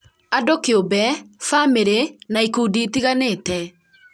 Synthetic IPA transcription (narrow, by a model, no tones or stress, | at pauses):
adokeobɛfameɾenaikuːdiːtiɣaneːtɛ